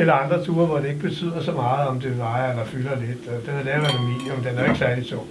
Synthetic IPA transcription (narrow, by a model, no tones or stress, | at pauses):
elɐɑ̈nd̥ʁɐt͡sʰuːɐʋɒd̥e̝e̝ɡ̥əb̥e̝t͡sʰy̰ð̰ˠɐsɒmɑ̈ːð̩ˠɒ̽md̥e̝ʋɑ̈ɪelɐfylɐle̝d̥d̥enæɐlɛʊænæmḭljəmend̥enæɐe̝ɡ̥sæɐlit͡sʰɔ̰